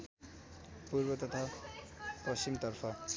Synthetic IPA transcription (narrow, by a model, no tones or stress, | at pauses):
purbʌt̪ʌt̪ʰa | pʌst͡ɕimt̪ʌrpʰʌ